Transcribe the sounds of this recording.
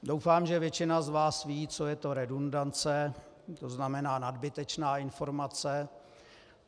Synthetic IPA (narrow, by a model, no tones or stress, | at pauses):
do̞wfaːmʒɛvjɛt͡ʃɪnazvaːsviːt͡sojɛt̪o̞ɾɛdundant͡sɛ | t̪o̞znamɛnaːnadbɪt̪ɛt͡ʃnaːɪnfo̞ɾmat͡sɛ